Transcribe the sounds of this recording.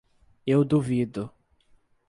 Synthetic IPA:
ewd̪uvid̪ʊ

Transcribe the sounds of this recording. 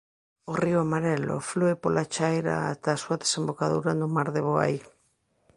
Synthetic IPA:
orioamaɾelo̰fluepolʔat͡ʃajɾa̰at̪aːsuaðesembokaðuɾanʊmaɾðeβoa̰j

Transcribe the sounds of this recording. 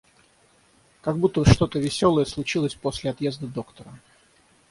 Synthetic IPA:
kɐɡbut̪ːəbəʂt̪o̞t̪əvʲɪsʲo̞lˠəjəslˠʊt͡ɕilˠəsʲpo̞sʲlʲɪɐt̪jezd̪əd̪o̞kt̪əɾə

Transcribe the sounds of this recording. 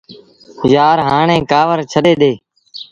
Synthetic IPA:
jaːɾɦaːɳẽːkaːʋəɾt͡ʃʰəɗeːɗ̪eː

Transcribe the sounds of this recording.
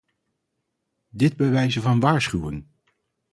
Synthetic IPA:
dɪd̚bəʋɛjzəvɑnʋaːɹsχywə̰n

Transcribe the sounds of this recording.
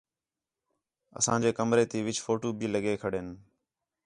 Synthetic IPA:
ə̰sã̰ːd͡ʒeːkəmɾeːt̪iːʋɪt͡ʃfoːʈoːbiːləɠeːkʰəɽeːn

